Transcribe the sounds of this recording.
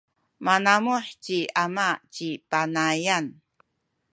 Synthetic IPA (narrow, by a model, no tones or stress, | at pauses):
manamuħt͡ɕiamat͡ɕipanajan